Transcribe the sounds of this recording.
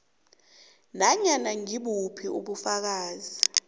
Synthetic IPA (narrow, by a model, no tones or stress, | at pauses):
naɲanaŋiɓupʰiṵɓufak̬aːzi